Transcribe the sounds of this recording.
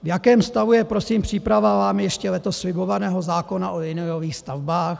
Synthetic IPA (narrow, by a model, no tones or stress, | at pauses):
vjakɛːmst̪avujɛpɾo̞siːmpr̝̥iːpɾavavaːmɪjɛʃcɛlɛt̪o̞sːlɪbo̞vanɛːɦo̞zaːko̞naʔojɪnojoviːxst̪avbaːx